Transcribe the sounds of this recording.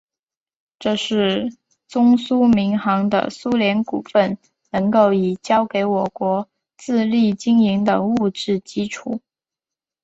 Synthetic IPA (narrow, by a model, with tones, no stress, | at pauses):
ʈ͡ʂɤ˥˧ʂɻ̩˥˩ | t͡sʊ˥ŋsu˥mi˧˥ŋxɑ˧˥ŋd̪ə̰˨su˥ljɛ˧˥nku˨˩fə˥˩n | nɤ˧˥ŋko˥˩ʊi˨˩t͡ɕjɑ˥ʊke˧˥ɪwɔ˨˩kwɔ˧˥ | t͡sɹ̩˥˧li˥˩t͡ɕi˥ŋi˧˥ŋd̪ə˧u˥˧ʈ͡ʂɻ̩˥˩t͡ɕi˥ʈ͡ʂʰu˨˩˦